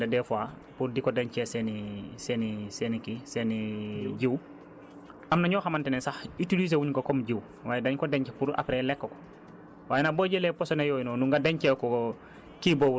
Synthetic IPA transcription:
dedɛfua | puɾdikodeɲcɛsenisenisenikiseniɟiw | ʔamnaɲoːxamantɛnɛnsaxitiliz̬ewuɲkokomɟiw | waːjedaɲkodeɲcepuɾa̰pɾelekːoko̥ | waːjenaboɟelɛposonejoːjinonuŋɡadeɲt͡ʃɛkɔ | kibou

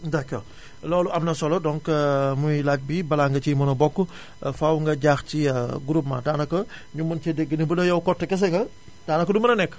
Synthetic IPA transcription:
dakːɔ̰ | lɔːluɐmnɐsɔlɔdɔŋkmujlac̚bibɐlaŋɡɐcimɔnɔbɔkːu | fawŋɡɐɟaːxciɡuɾup̚ma̰daːnɐkɐ | ɲumɐnt͡ʃɛdɛɡːənibudɐjɐwkɔtːɐkɛs̬ɛŋɡɐ | d̥aːnɐkədumɐnɐnɛkː

